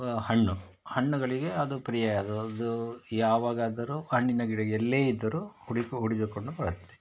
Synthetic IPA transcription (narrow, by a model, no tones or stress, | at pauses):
hɐɳːu | hɐɳːuɡɐɭiɡe̞ɐd̪upɾijɐjɐd̪uɐd̪ujaːʋaːɡaːd̪ɐɾuːɦɐɳːinɐɡiɽɐɡɛlːe̞ːid̪ːɐɾuːuɽikɦuɽid͡ʒukoɳɖubɐɽɐt̪ːe̥